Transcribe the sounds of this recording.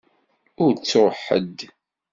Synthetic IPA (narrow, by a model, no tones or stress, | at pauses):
ʊɾt͡sːɾəħə̰d̪